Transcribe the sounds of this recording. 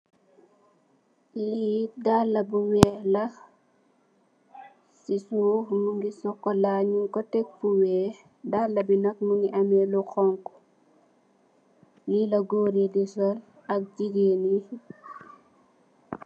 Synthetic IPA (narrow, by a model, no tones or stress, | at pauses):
liːdalːɐbuwɛːlɐ | sisuːmuŋɡisɔkːɔlaɲuŋkɔtɛk̚fuwɛː | dalːɐbinɐk̚muŋɡiʔɐmɛluxɔŋkɔ̥ | lilɐɡoːɾidisɐl | ɐk̚d͡ʒiɡeni